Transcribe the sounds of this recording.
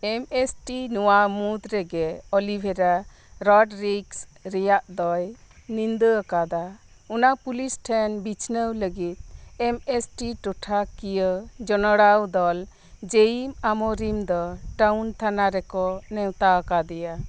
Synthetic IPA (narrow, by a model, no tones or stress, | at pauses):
ɛmesʈinɔwamud̪ɾɛɡɛɔlibʱɛɾa | ɾɔɖɾiksɾɛjaʔd̪ɔjnind̪əəkad̪a | unapulisʈʰɛnbit͡ʃʰnəwləɡit̪̚ɛmesʈiʈɔʈʰakijəd͡ʒɔnɔɽawd̪ɔl | d͡ʒejimamɔɾimd̪ɔʈawnt̪ʰanaɾɛkɔnɛwt̪aəkad̪ɛja